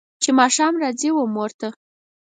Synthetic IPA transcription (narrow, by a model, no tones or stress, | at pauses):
t͡ʃemɑʃɑmɾɑd͡ziwəmoɾt̪a